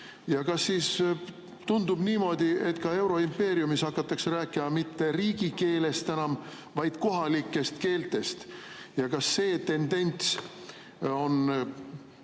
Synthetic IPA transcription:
jɑkɑsːiːs | t̪und̪ub̥niːmo̞ːd̪̥ie̞t̪kɑe̞wɾo̞impe̞ːɾijumishɑkːˑɑt̪ːˑɑksræːkːˑimɑmit̪ːe̞riːɡ̥ike̞ːle̞st̪enɑm | vɑjd̪̥ko̞ɦɑlikˑːe̞st̪ke̞ːlt̪ˑe̞st̪jɑkɑsːe̞ːt̪e̞nd̪̥e̞nʲt̪s | o̞n

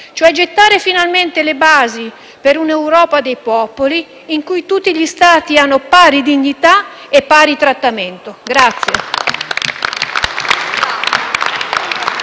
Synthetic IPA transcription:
t͡ʃoɛd͡ʒet̪ːaːɾefinalment̪elebaːzi | peɾunewɾɔːpad̪ejpɔpoliː | ŋkujt̪ut̪ːiʎist̪aːt̪ianːopaːɾid̪iɲːit̪a | epːaːɾit̪ɾat̪ːament̪oɡɾat̪sːje

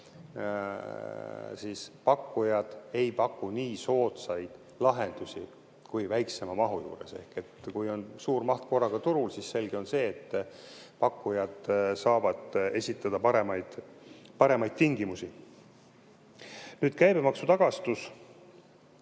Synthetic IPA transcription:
siːspɑkːujɑd̪̥e̞jpɑkːuniːso̞ːt̪sɑjd̪̥ | lɑɦe̞nd̪̥usi | kujvæjkse̞mɑmɑɦujṵːɾe̞̰se̞̰hke̞t̪kujo̞nsuːrmɑht̪ko̞rːɑɡ̥ɑt̪uɾulsisse̞lɡ̥io̞nse̞ːt̪ː | pɑkːujɑd̪̥sɑːvɑd̪e̞sʲit̪ːˑɑd̪̥ɑpɑɾe̞mɑjd̪̥ | pɑɾe̞mɑjd̪̚t̪iŋɡimusi | nyːd̪̥kæjbe̞mɑksut̪ɑɡ̥ɑst̪us

